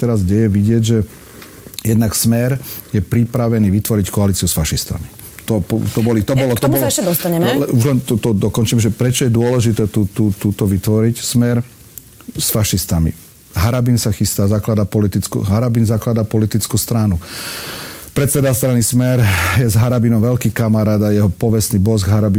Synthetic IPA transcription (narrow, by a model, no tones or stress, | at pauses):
t̪ɛɾazɟɛjɛʋiɟɪɛɟʒɛ | jɛd̪naksmɛɾjɛpɾipɾaʋɛniːʋit̪ʋɔɾickɔaliːt͡siusfaʃist̪a̰mi | t̪ɔpɔt̪ɔbɔlit̪ɔbɔlɔt̪ɔmɔlʃɛd̪ɔst̪aɲɛlɛuʒlɛnt̪ɔt̪ɔd̪ɔkɔnt͡ʃiːmʒɛpɾɛt͡ʃɔjɛd̪ʊɔlɛʒit̪ɛːt̪ut̪uːt̪uːt̪ɔʋit̪ʋɔɾicsmɛɾ | sfaʃist̪amḭ | ɦaɾabinsaxist̪aːzaklad̪apɔlit̪it͡skṵɦaɾabinzaklad̪apɔlit̪it͡skust̪ɾanu | pɾɛt̪sɛd̪ast̪ɾanismɛɾjɛzɦaɾabinɔmʋɛlkiːkamaɾaːd̪ajɛɦɔpɔʋɛsniːbɔzɡɦaɾabi